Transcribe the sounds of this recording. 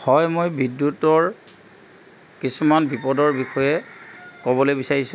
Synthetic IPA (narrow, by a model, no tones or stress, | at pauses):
hɔjmojbidjutɔɹ | kisumanbipɔdɔɹbixɔjɛkɔbɔlojbisaɹisʊ̃